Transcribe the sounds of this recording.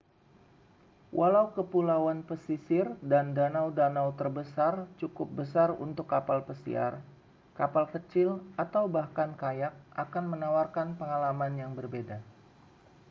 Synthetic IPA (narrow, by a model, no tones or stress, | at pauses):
wʔalaukəpulawanpəsisɪrdandanawdanawt̪ərbəsart͡ʃukʊp̚bəsarṵnt̪ʊkːapalpəsḭa̰r | kapalkət͡ʃɪlʔat̪awbahkankajak̚ʔakanmənawarkanpəŋalamanjaŋbərbeda